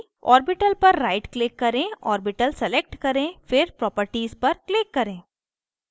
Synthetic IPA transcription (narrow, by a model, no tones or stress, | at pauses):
ɔ̰ːɾbɪʈəlpɐɾːaːɪʈklɪkːɐɾẽːɔ̰ːɾbɪʈəlsɛlek̚ʈkɐɾẽfɪɾpɾɔːpəɾʈiːzpɐɾklɪkːɐɾẽː